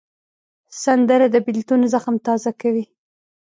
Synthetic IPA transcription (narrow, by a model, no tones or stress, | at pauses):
sand̪əɾad̪əbɪlt̪unozəxamt̪ɑzakawi